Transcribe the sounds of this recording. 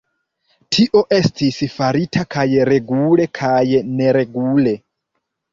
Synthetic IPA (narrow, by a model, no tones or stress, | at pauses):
tʰiʔo̞ʔe̞stʰisifaɾitʰakʰajeɾeɡulekʰajeneɾeɡule